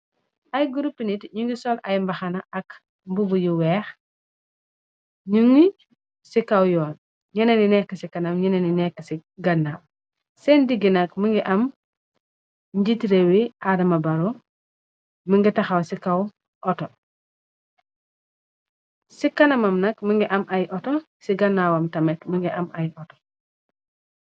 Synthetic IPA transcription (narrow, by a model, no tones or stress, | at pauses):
ɐjɡuɾupːinitɲuŋɡisɔlɐjmbɐxɐnɐɐk | mbubujuwɛːx | ɲuŋi | sikawjɔːn | ɲɐnɐninɛkːəsikɐnɐmɲɐnɐninɛkːəsiɡɐnːam | sɛndiɡːinɐkməŋɡiʔɐm | ɲɟitiɾewiʔadɐmɐbɐɾɔ | məŋɡitɐxɐwsikɐw | ʔɔtɔ | sikɐnɐmɐmnɐkməŋɡiʔɐmʔɐjʔɔtɔ | siɡɐnːaːwɐmtɐmɛtməŋɡiʔɐmʔɐjʔɔtɔ̥